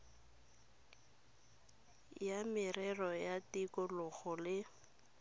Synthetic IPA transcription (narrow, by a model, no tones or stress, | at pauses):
jamɪrɛrɔjatikɔlʊɣʊlɪ